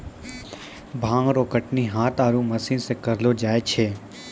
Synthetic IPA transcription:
bʱãːŋɡɾoːkəʈniɦaːt̪aːɾũmɐsĩːnsekɐɾlod͡ʒaːet͡ʃʰeː

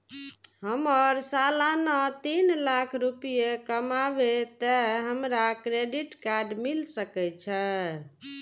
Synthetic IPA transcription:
ɦəməɾsalanət̪inlakʰɾupijekəmabet̪əɦəmɾakɾeɖiʈkaɾɖmilsəkɛt͡ʃʰə

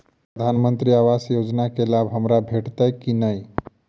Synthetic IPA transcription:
pɾəd̪ʱanmənt̪ɾiaʋasjod͡ʒnakelabɦəmɾabʱeʈt̪əjkinəj

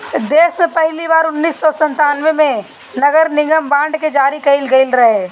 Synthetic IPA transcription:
d̪eːsmẽpɛɦlibaːɾʊnːiːsːɔːsɐ̃nt̪aːnʋemẽ | nɐɡəɾnɪ̃ŋɡəmbãːɳɖked͡ʒaːɾikɐɪlɡɐɪlɾɐɦe

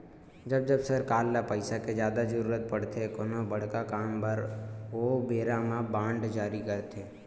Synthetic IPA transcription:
d͡ʒɐbd͡ʒɐbsəɾkaːlːapəɪsaked͡ʒjaːd̪azəɾuːɾət̪̚pɐɽ̤t̪ʰekoːnobəɽ̤kakaːmpəɾoːbeːɾamãbãːɳɖd͡ʒaːɾikəɾt̪ʰeː

